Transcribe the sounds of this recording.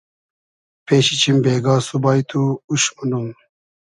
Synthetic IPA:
pʰeːɕit͡ɕʰimbeːɡaːsubaːjt̪ʰuuɕmunum

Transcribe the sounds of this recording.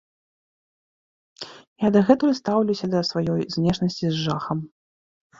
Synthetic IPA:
jad̪ɐɣɛt̪ujɐst̪awlʲuwsʲɐd̪ɐsvajɔjzʲnʲɛʂnɐsʲt͡sʲizʐaxɐm

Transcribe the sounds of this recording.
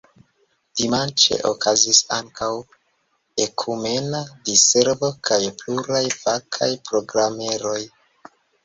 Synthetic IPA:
d̥imant͡ʃe̞̰ʔokʰazisaŋkaw | e̞kʰume̞nadise̞ɾvo̞kʰajpluɾajvakʰa̰jpɾo̞ɡɾame̞ɾo̞j

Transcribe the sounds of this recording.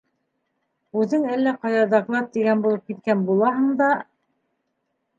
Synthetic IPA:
ʉðɘŋælːæqɑjɑd̪ɑɡlˠɑt̪̚ːiɡænbulˠɤp̚kit̪̚kænbulˠɑɦɤɴd̪ɑ

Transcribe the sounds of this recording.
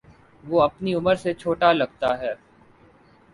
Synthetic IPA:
ʋoɐpniʊməɾset͡ʃʰoːʈalɐɡ̚t̪aɦɛː

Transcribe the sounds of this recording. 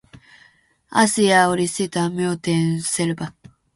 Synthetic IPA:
a̰siaoɾʲisit̪amʲjoːt̪ẽɰ̃seɾɯba

